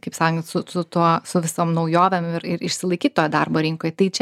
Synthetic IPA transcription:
kɐɪpsɑːkoŋʲɡʲɪt̪sʊsʊt̪uɔsʊʋʲɪsoːmnɐʊjoːʋʲɛmɪɾɪɾɪʃʲsʲɪlˠɐɪkʲiːt̪ʲt̪oːjd̪ɑrboːɾʲɪŋkoːjt̪ɐɪt͡ʃʲɛ

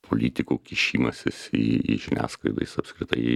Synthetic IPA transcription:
pʰolʲiːt̪ʲɪkuːkʲɪʃʲiːmɐsʲɪsḭḭʒʲɪnʲæ̰ːskɐɪd̪ɐ̰ɪsɐpskɾʲɪt̪ɐɪ

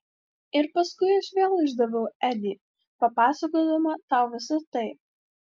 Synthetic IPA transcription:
ɪɾpɐskʊɪɐʃʋʲeːlˠɪʒd̪ɐʋʲɛʊæd̪ʲi | pɐpɑːsɐkoːd̪ɐmɐt̪ɑˑʊʋʲɪsɐt̪ɐɪ

